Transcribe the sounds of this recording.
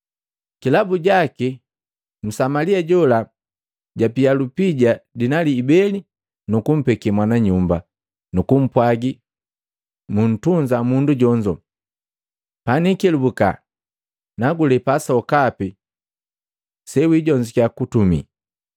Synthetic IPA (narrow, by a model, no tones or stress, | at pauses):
kilabuɟaki | m̩samaliaɟɔla | ɟapialupiɟadinaliːbɛli | nukum̩pɛkɛmwanaɲumba | nukum̩pwaɡi | mun̩tuɲd͡ʒamunduɟɔɲd͡ʒɔ | panikɛlubuka̰ | naɡulɛpasaɔkapi | sɛwiɟɔɲd͡ʒikjakutumḭ